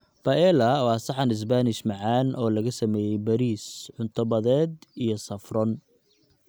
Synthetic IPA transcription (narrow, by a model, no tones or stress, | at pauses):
b̥ɐʔɛlɐwɑːsɑħɐnɪs̬banɪʃmɑʕɑːnʔɔːlɐɣɐsɐmɛːjɛjbɐɾiːsʕʊnt̪ʰɐβɐðɛːd̪ijɞsɐfrɔn